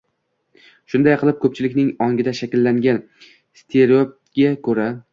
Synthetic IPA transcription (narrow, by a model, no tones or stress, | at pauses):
ʃʊnd̪ajqʰɨlˠɪp̚kʰɵp̚t͡ʃʰɪlɪkʲnɪŋɒŋɡʲɪd̪aʃakʲɪlːaŋɡʲan | st̪ʰeɾop̚ | ɡʲakʰɵɾa